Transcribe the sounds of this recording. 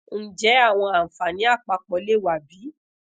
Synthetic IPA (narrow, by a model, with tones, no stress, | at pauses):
n̩˦d͡ʒɛ˨˦a˦˨w̃ɔ̃˧ã˨fa˨nĩ˨˦a˦˨k͡pa˧k͡pɔ˨˦le˦˨wa˨bi˨˦